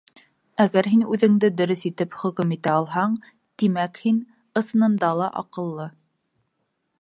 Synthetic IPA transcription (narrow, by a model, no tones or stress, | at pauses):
æɣæɾɦinʉðɘ̆ŋd̪ɘd̪ɵ̆ɾɵsit̪ɘpχɵ̆kɵmit̪æɑlˠɦɑɴ | t̪imækhin | ɤ̆sɤ̆nɤ̆nd̪ɑlˠɑʔɑ̰qɤ̆lˠːɤ